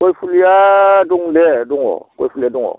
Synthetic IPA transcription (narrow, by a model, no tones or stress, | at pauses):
koifulujadõŋledõŋɔ̰koifulijadõŋɔ̰